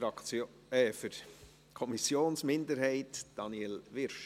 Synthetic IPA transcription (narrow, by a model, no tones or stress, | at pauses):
ɾɑkt͡s | ɛfəɾ | kʰɔmisjoːnsmɪndəɾhɛɪtd̥ɑniɛlʋɪɾʃ